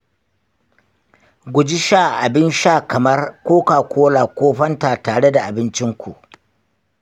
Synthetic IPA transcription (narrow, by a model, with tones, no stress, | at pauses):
ɡʷʊ˨d͡ʒɪ˦ʃaː˦˨ʔa˨bɪ˦nʃaː˦˨kɐ˨mɐ˦rkʷoː˦kaː˨kʷoː˦laː˨kʷoː˦ɸɐ˦ntaː˨taː˨ɽe˦da˨ʔa˨bɪ˦nt͡ʃɪ˦ŋkʷṵ˨ʔ